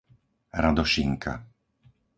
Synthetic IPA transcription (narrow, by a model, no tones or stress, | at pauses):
ɾad̪ɔʃiŋkʰa̰